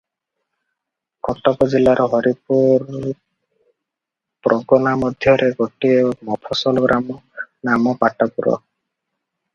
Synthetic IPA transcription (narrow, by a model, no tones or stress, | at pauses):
kɔʈɔkɔd͡ʒilaɾɔɦɔɾipuɾ | pɾɔɡɔnamɔd̪ʱjɔɾeɡɔʈiemɔpʰɔsɔlɔɡɾʔamɔnamɔpaʈɔpuɾɔ̰